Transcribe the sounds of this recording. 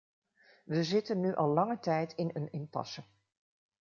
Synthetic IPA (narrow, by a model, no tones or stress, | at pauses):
ʋəzɪtənːyʔɑlˠlɑŋətɛjtɪnənɪmpɑ̰sə